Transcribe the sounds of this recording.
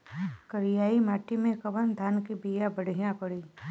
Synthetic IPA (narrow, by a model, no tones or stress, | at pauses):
kəɾɪjaːimaːʈimẽkɐbənd̪ʱaːnkibijabəɽ̤ʱijãpɐɽiː